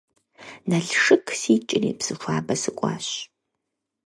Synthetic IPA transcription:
nɐɬʂɨkʰsiːt͡ʃʼɪrḭːpsɨfʷaːbɐsɨkʷʼɑ̰ːɕ

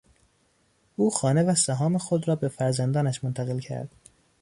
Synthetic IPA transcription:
ʔuːxɒːnevæsæɦɒːmexod̪rɒːbe̞fæɾzænd̪ɒːnæʃmont̪ʰæɣe̞lcʰæ̰ɾd̪̥

